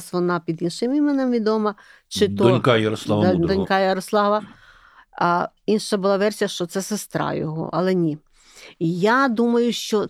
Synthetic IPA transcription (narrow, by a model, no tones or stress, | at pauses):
sʋɔnɑpʲid̪inʃɪmimenɛmʋʲid̪ɔmɐ | t͡ʃɪt̪ɔɔnʲkɑjɐɾɔslˠɑʋdd̪ɔnʲkɑjɐɾɔslˠɑʋɐ | inʃɐbʊlˠɑʋɛrsʲijɐʃt͡ʃɔt̪sɛsest̪ɾɑ̰jɔ̰ɦɔ̰ʔɐ̰lˠɛnʲi | jad̪umɐjʊʃt͡ʃɔ